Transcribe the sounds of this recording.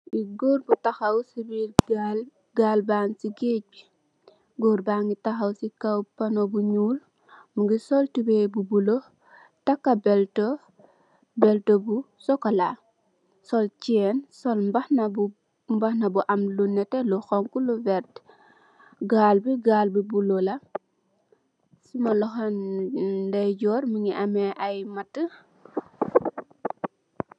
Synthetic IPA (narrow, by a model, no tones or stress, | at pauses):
iɡoːɾbutaxɐwsibiɡal | ɡaːlbaːnsiɡeːc̚bi | ɡoːɾbaːŋɡitɐxɐwsikawpɐnobuɲuːl | muɡisɔltibebubulo | takːabɛlto | bɛltobu | sɔkɐla | sɔlt͡ʃiɛnsɔlmbahnab | mbahnabuʔɐmlunɛteluxɔŋkuluvɛɾt | ɡaːlbiɡaːlbibulolɐ | simɐlɔxan | dɐjɟɔːɾmiŋiʔameʔajmatːə